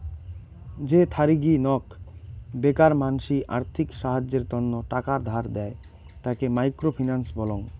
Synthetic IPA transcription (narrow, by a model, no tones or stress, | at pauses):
d͡ʑet̪ʰaɾiɡinɔk | bekaɾmanʃiʔa̰ɾt̪ʰikʃaɦad͡ʑeɾt̪ɔnːoʈakaɾd̪ʱaɾd̪ɛe | t̪akemajkɾofʰinansbɔloŋ